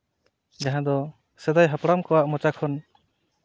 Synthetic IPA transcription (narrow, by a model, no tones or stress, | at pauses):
d͡ʒaɦãd̪ɔ | sɛd̪ajɦapɽamkɔwaʔmɔt͡ʃakʰɔn